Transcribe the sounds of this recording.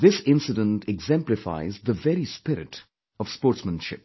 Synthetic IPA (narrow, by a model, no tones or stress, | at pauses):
d̪ɪsɪ̃nsɪdə̃nʈʰɛɡzɛ̃mplɪfa̰ɪzd̪əvɛɾispɪɾɪʈ | ɔv̥spoːɾʈsmə̃nʃɪ̰p̚